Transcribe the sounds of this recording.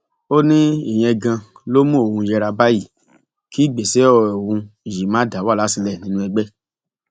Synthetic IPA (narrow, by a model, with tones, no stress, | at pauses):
o˦nĩ˦i˦˨j̃ɛ̃˧ɡã˧lo˦mũ˦o˨wũ˧jɛ˧ɾa˧ba˦ji˦˨ | kʰi˦˨ɡ͡be˨sɛ˨˦ɔ˧˨o˨wũ˧i˨ji˨˦mãː˨˦da˨˦wa˦˨la˨˦si˧lɛ˦˨nĩ˦nũ˦ɛ˧ɡ͡bɛ˦